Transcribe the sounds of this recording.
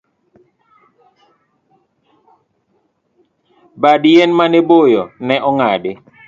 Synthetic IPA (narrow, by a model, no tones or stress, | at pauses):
badjɛnmanebojɔnɛʔɔŋadɪ